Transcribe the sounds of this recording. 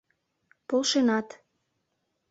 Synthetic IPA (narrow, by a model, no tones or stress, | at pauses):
polʃenɑt̪